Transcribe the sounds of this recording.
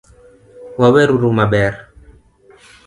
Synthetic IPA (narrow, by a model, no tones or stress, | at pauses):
wawɛɾuɾumaɓɛɾ